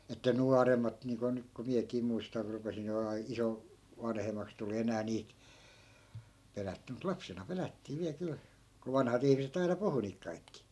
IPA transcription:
etːæ nuɑremˑɑt niːŋko nyk ko miækiː muistɑr rupesin olemɑː iso ʋɑnhemˑɑks tuli enæː niːt pelætːy mut lɑpsenɑ pelætːiː ʋiæl kyl ko ʋɑnhɑt ihmiset ɑinɑ puhu niːk kɑikːi

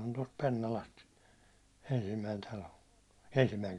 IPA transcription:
on tost penːɑlɑst ensimːæin tɑlo ensimːæiŋ

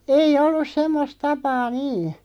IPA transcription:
eij̆ olːus semːos tɑpɑː niː

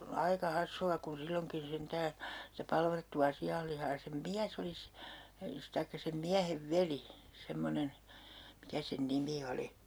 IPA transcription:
ɑikɑ hɑsːuɑ kun silːoŋkin sentæː sitæ pɑlʋɑtːuɑ siɑlːihɑː jɑ sem miæs oli s tɑikːɑ sem miæheʋ ʋeli semːonen mikæ sen nimi oli

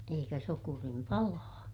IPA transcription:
eikæ sokurim pɑlɑː

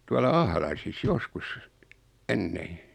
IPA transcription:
tuɑlɑ ɑhlɑisis joskus enːeː

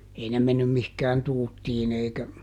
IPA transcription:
ei ne menːym mihkæːn tuːtːiːn eikæ

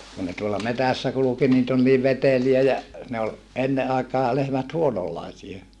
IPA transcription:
kun ne tuolːɑ metæsːæ kuluki niːt ol niːʋ ʋeteliæ jɑ ne ol enːe ɑekɑː lehmæt huonolːɑisie

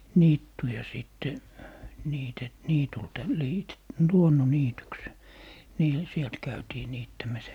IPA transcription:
niːtːujɑ siˑtːe niːte niːtultɑ liːte luonːoniːtyks niːl sielt kæytiː niːtːæmæs

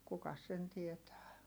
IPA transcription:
kukɑs sen tietæː

